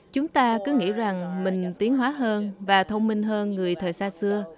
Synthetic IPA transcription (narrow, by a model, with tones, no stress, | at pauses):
t͡ɕʊ˨˦ŋ͡mt̪aː˧kɨ˨˦ŋḭ˧˥za˨˩ŋmï˨˩ŋ̟t̪i˨˦əŋɦwaː˨˦ɦəː˧nvaː˨˩t̪ʰə˧wŋ͡mmï˧ŋ̟ɦəː˧nŋɨ˨˩əjt̪ʰəː˨˩jsaː˧sɨ˧ə